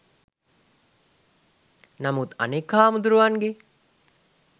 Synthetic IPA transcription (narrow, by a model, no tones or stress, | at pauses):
nɐmut̪ɐ̰nekːaːmud̪uɾuʋaŋɡe